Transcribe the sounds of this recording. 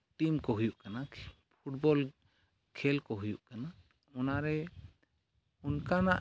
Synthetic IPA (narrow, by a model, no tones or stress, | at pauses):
ʈimkɔɦujuʔkana | pʰuʈbɔl | kʰɛlkɔɦujuʔkana | ɔnaɾɛ | unkanaʔ